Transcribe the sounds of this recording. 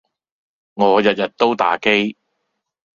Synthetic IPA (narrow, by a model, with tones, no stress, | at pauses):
ŋɔː˨˧jɐ˨t̚jɐ˨t̚t̪o˥wt̪a̰ː˨˥ke˥j